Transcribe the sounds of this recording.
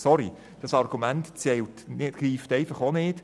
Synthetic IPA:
sɔɾi | d̥ɑsɑɾɡ̥umæntt͡sɛltnɪtɡ̥riːftɛɪfɑχonɪːt

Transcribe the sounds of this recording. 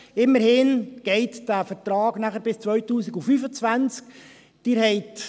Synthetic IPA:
ɪmːəɾhɪnɡ̥ɛɪtd̥æfətrɑːɡ̥næχəɾbɪst͡svœʏtuːsiɡufyːfət͡svænt͡sk | d̥ɪːɾhɛɪt

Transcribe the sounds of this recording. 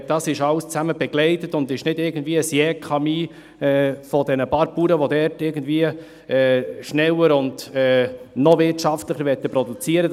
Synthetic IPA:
d̥ɑsɪʃɑlst͡sæməb̥ɛɡlɛɪtətʊndɪʃnɪdɪɾɡən̩dviːəəsjɛkʰɑmiː | ɛːfɔdɛnəpɑːɾpuːɾəʋodɛɾtɪɡən̩dviə | ɛːʃnɛləɾʊnd̥ɛːnɔvɪtʃɑftlɪχəɾvɛt̪ːəpɾɔdut͡siəɾə

